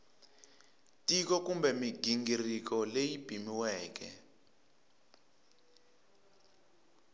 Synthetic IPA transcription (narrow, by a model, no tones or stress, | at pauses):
tʼikɔkumbɛmiɡiŋɡirik̬ɔlejib̥ʱimiwɛːk̬ɛ̰